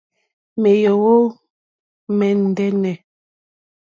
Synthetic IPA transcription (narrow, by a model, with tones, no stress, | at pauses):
mɛ˨jo˨wo˦ | mɛ˨n̩˨dɛ˦nɛ˨